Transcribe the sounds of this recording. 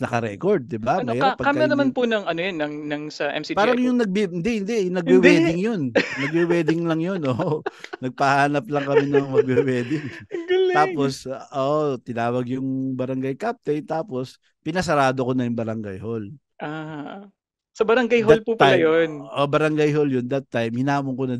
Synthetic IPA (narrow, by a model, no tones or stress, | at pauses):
nɐkɐɾɛ̰koɹd̪̚ːɪbamɐjpɐɡkamːɐɐnɐmanponɐŋɐnojonːɐŋnɐŋsɐʔɛ̰msipaːɾɐŋjʊŋnɐɡ̚bɪɪnd̪ɪhɪnd̪ɛnɐɡ̚bɪwɛːd̪ɪŋjonnɐɡ̚bɪwɛːd̪ɪŋlɐŋjo̞nʔoːʔnɐɡ̚pɐhaːnɐp̚lɐŋkɐmɛnɐmmɐɡ̚bɪwɛːd̪ɪŋɡɐlt̪aːpo̞sʔoːʔot̪ɪnaːwɐɡjʊŋbɐɾɐŋɡɐjkap̚t̪ɛjt̪aːpo̞s | pɪnɐs̬ɐɾaːd̪okonɐjʊŋbɐɾɐŋɡajhol | ʔa | sɐbɐɾɐŋɡajɦolpupːɐlajonʔobɐɾɐŋɡajɦoljʊnd̪ɐt̪ːajmhɪnaːmʊŋkonɐ